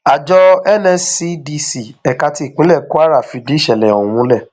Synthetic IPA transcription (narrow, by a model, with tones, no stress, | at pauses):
a˨d͡ʒɔ˧ɛ˦nɛ˧si˧di˧si˨ɛ˨ka˧ti˧˦i˨k͡pĩ˨˦lɛ˦˨ku˦a˦ɾa˦˨fi˧di˦ʃɛ˨lɛ˨ɔ̃˨˦ũ˦lɛ˦˨